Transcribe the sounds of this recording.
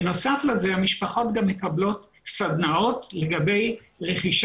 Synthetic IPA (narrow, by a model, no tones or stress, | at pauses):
no̞saflezehamiʃpaχo̞tɡamːe̞kablo̞t | sad̪nao̞tle̞ɡabe̞j | ʁe̞χiʃ